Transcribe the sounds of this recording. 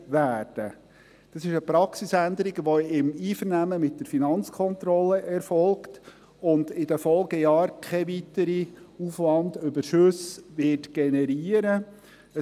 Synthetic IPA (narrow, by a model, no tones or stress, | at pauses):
ʋæːɾd̥ə | d̥ɑsɪʃəpɾɑksisænd̪əɾiɡʋoɪmiːfəɾnæməmɪt̚d̥əɾfinɑnt͡skʰɔnt̪ɾɔləʔɛɾfɔlkt | ʊnd̪ɪd̥əfɔlɡəjɑːɾkʰχɛʋit̪əɾiufʋɑnd̪ʏbəɾʃɵsʋɪtɡ̥ɛnɛɾiːəɾə | ə